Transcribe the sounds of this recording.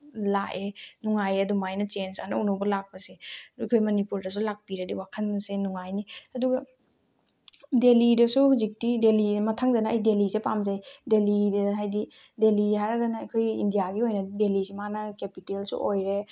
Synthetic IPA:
laʔenuŋajɐdumajnɐt͡ʃensa̰nɐunubɐlak̚pɐseɐ̰kʰojmɐnipuɾdɐs̬ulak̚piɾɐdiwakʰɐnbɐsenuŋajniɐduɡɐ | delidɐsuhuzik̚tidelimɐtʰaŋdɐnɐɐjdelisepamzajdelidɐɦajdi | delihaɾɐɡɐnɐɐjkʰojindijaɡiojnɐddelisimanɐkepitelsṵʔojɾe

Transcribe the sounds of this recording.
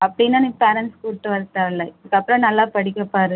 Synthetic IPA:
ɐpːɐɽɪnːaːnikpɛɾɐnskuʈːɯʋɐɾɯt̪ːaːlːɐɪðɯkːɐpːɾɐ̃nɐlːaːpɐɽɪkːɐpːaːɾɯ

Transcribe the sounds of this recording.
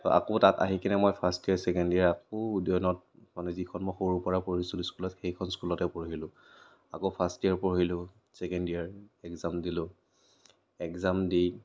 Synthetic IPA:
tɔʔa̰kotata̰ɦikinɛmɔjpʰastiaɹsɛkɛndijaɹakoudɔnɔt̚ | manɛzikʰɔnmɔjxoɹupɔɹapoɹisuluskulɔtxejkʰɔnskulɔtɛpoɹɦilʊ̃ | akopʰastijaɹpoɹɦilʊ̃ | sɛkɛndiaɹɛkzamdilʊ̃ | ɛkzamdi

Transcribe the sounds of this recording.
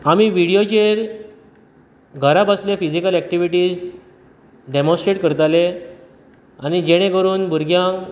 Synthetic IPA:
amiʋiɽijot͡ɕeɾ | ɡʱəɾabasljefid͡ʑikəlɛk̚ʈiʋiʈiːs | ɖemõsʈɾeʈkəɾt̪ale | añid͡ʑeɽ̃ẽkəɾuːnbuɾɡjãŋ

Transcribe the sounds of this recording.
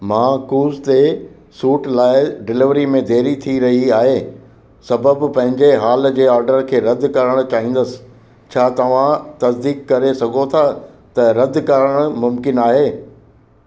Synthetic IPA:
mãːkuːzt̪e | suːʈlaːɪɖɪlɪʋɾimẽd̪ʱeːɾit̪ʰiɾɐɦiaːɦeː | sɐbəbpɐ̃ɦɪ̃ɲd͡ʑeɦaːl̆d͡ʑeːaːɾɖəɾkʰeːɾɐd̪ʱkɐɾəɽ̃ʊ̆t͡ɕaːɦĩːn̆d̪əsɪ̥̆ | t͡ɕʰaːt̪ɐʋ̤ãt̪ɐsd̪iːkːɐɾesɐɡʱot̪ʰa | t̪ɐɾɐd̪ʱkɐɾəɽ̃ʊmʊmkɪnaːɦeː

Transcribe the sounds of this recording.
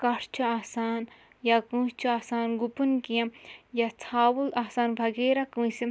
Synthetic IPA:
kɐɾt͡ʃʰuaːsaːn | jakũːst͡ʃʰuaːsaːnɡupunkiɐ̃mjat͡sʰaːwulaːsaːnbʱɐɡeːɾɐkũːsi

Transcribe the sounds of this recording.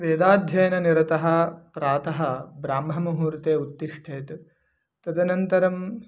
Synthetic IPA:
ʋeːd̪aːd̪ʱjɐjɐnɐniɾɐt̪ɐɦɐpɾaːt̪ɐɦɐbɾaːmɦɐmɐɦuːɾt̪eːut̪ːiʂʈʰeːt̪ | t̪ɐd̪ɐnɐnt̪ɐɾɐm

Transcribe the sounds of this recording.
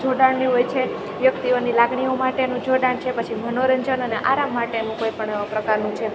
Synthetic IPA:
d͡ʒʱoɖaɳniɦojt͡ʃʰe | ʋjəkt̪ionilaɡɳiomaʈenũd͡ʒʱoɽaɳt͡ʃʰepət͡ʃʰimʱənoɾəɲd͡ʒənəneʔaɾamːaʈenũkojpəɳpɾəkaɾnũt͡ʃʰe

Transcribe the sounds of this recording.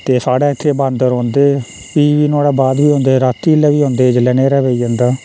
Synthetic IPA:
t̪eːsaːɽaːkʰːeːbaːnd̪əɾɦõːnd̪eː | piːʋiːnoːɽaːbaːd̪biːɦõːnd̪eːɾaːt̪ːiːlɛːʋiːɦõːnd̪eːd͡ʒlɛːneːɾaːʋeiːd͡ʒãːnd̪aː

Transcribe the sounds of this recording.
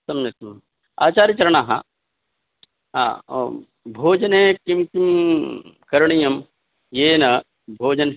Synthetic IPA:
sɐmnet̪ɐ | a̰ːt͡ʃaːɾit͡ʃɐɾɐɳ̃aːɦa̰ | a̰ː | bʱoːd͡ʒɐneːkimkim | kɐɾɳijɐm | jeːnɐ | bʱoːd͡ʒɐn

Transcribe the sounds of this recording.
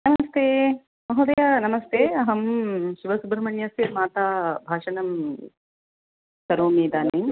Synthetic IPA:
nɐmɐst̪eː | mɐɦuːd̪ɐjanɐmɐst̪eːɐɦɐmʃiʋɐsubɾɐmɐɳjɐsiɾmaːt̪aːbʱaːʂɐnɐm | sɐɾoːmiːd̪aːni

